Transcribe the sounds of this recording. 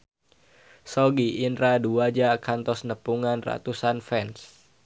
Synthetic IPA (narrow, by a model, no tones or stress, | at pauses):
sɔɡiʔːndɾaduad͡ʒakant̪ɔsnəpuŋanra̰t̪usanfɛns